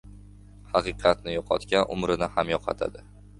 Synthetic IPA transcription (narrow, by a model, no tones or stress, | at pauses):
hɑqɨqʰɑt̪nɪjɒqʰɒt̪kʲanʔʊ̰mɾɪnɪhamjɒqʰɑ̰t̪ʰa̰d̪ɪ